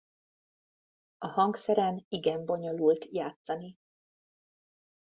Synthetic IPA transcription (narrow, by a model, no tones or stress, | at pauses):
ɒhɒŋksɛɾɛniɡɛmbo̞ɲo̞lult̪jaːt̪sɒni